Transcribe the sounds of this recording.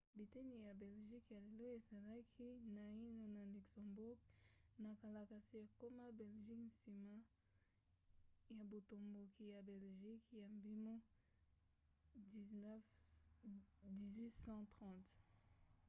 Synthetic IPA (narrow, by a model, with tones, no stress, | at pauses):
bi˨tɛ˦ni˨ja˨bɛ˨lʒi˦kja˨le˨lo˦e˨za˨la˦kʰi˦na˨i˦no˨na˨lu˨ksɔ̃˨mbu˦ɡna˨ka˨la˨ka˨si˨ko˦ma˦bɛ˨lʒi˦kn̩˨si˨ma˦ | ja˨bo˨to˨mbo˨ki˨ja˨bɛ˨lʒi˦kja˨mbi˦mo˦˨ | n˦f | di˨zwi˦sɑ̃˦tʁɑ̃˨t